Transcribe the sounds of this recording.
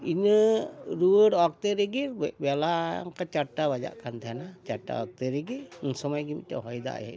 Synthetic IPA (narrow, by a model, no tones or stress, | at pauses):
inəɾuəɽɔk̚t̪eɾeɡiɾbbɛla̰ŋkat͡ʃaʈːabad͡ʒa̰ʔkʰant̪ʰɛanat͡ʃaʈːa̰ɔk̚t̪eɾeɡinsɔmajɡimḭt̪̚ta̰ɦɔjd̪a̰ja̰